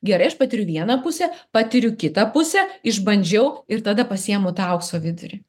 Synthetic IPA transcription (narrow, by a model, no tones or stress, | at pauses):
ɡʲɛɾɐɪɐʃpɐːt̪ʲɪɾʲʊʋʲiɛnɐpʊsʲɛpɑt̪ʲɪɾʲʊkʲɪt̪ɐpʊsʲɛɪʒbɐnʲd͡ʒʲɛʊɪɾt̪ɑːd̪ɐpɐsʲiɛmʊt̪ɐˑʊksoːʋʲɪd̪ʊ̰ɾʲɪ